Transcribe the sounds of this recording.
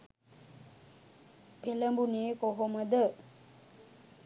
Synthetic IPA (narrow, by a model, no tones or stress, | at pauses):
peləmbuneːkoɦoməd̪ə